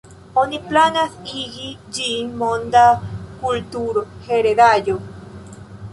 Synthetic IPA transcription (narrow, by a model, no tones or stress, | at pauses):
oniplanasiɣid͡ʒinmond̪akult̪uɾoheɾeðajo